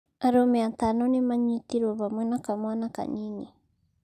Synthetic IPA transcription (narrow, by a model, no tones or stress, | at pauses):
aɾomeat̪anonemaɲit̪iɾoβamɨnakamwanaka̰ɲini